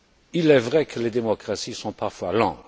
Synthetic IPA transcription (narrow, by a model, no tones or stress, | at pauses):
ilɛvʁɛkʰəled̪emɔkʁasisɔ̃paʁfwalɑ̰̃